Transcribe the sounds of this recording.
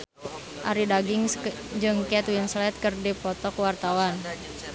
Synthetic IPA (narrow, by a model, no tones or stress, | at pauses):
ʔaɾidaɡiŋ | d͡ʒɨŋkɛt̪winslɛt̪̚kərdipɔt̪ɔkwart̪awan